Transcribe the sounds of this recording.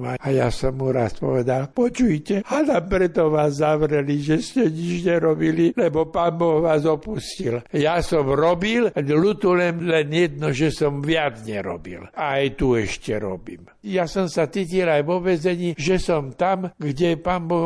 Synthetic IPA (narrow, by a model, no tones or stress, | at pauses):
maajasɔmuɾaspɔ̰ʋɛd̪alpɔt͡ʃujcɛanaːmpɾɛt̪ɔʋaːzːaʋɾɛliʒɛscɛɲit͡ʃɲɛɾɔbililɛbɔpaːnbɔɣʋaːzɔpusciljasɔmɾɔbillut̪ulɛmlɛnjɛd̪̚nɔʒɛsɔmʋɪad͡zɲɛɾɔ̰bḭlaːjt̪uɛʃcɛɾɔ̰bḭːm | jasɔmsat͡siːcilajʋɔʋɛzɛɲiːʒɛsɔmt̪amɡɟɛpaːmbɔ